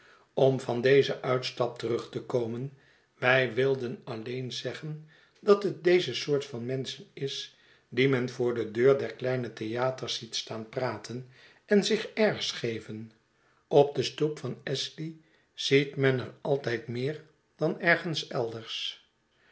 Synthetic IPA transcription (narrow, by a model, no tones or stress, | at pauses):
ɔmvɑndejzəʔœɥtstɑp̚tərɵχtəkowmən | ʋɛjʋɪlˠdənɑlejnzɛχən | dɑtɦət̚dejzəsʊːɹtfɑnmɛnsənɪs | dimɛnvʊːɹdədøːɹdɛɹklɛjnətejaːtəɹsitstaːnpraːtʰən | ɛnzɪχɛɹsχejvən | ʔɔb̚dəstupfɑnɛsli | z̥itmɛnəɹɑlˠtɛjtmɪːɹ | d̥ɑnɛɹχənsɛlˠdəɹs